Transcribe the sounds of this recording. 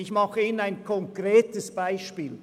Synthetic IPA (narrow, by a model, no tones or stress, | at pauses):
ɪçmɑχəiːnənaɪnkʰɔŋkʁeːtəsb̥aɪʃpiːl